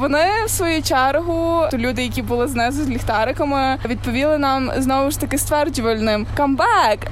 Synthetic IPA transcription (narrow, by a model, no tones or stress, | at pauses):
ʋɔnɪsʋɔjut͡ʃɛɾɦʊt̪ʊlʲud̪ɪjɐkʲibʊlˠɪznɛzʊzʲlʲixt̪ɑɾɪkɐmɪʋʲid̪̚pɔʋʲilˠɪnɑmznɔʋʊʃt̪ɐkɪst̪ʋɛrd͡ʒʊʋɐlʲnɪmkɐmbɛk